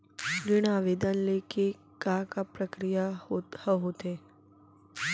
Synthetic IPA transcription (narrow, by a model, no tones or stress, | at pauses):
ɾɪɽ̃aːʋeːd̪ənleke | kakapɾəkɾijahəɦoːt̪e